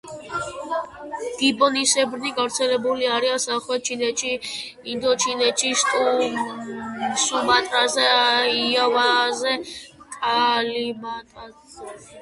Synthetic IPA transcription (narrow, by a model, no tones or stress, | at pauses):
ɡ̥ibɔnisɛbɾniɡavɾt̪sʰɛlɛbuliaɾiansaχwɛt͡ʃʰinɛt͡ʃʰiː | nd̪ɔt͡ʃʰinɛt͡ʃʰit̪ʼ | sumat̪ʼɾazɛiavazɛt̪ʼalimat̪ʼa